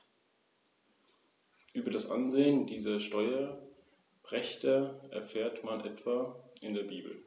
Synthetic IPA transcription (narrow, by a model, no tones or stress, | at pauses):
ʔyːbɐɾasʔa̰nzeːəndiːzɐʃtɔʏɐ | bʁ̥ɛçtɐʔɛ̰ɐfɛːɐtmanʔɛtv̥aːʔɪndeːɐbiːbl̩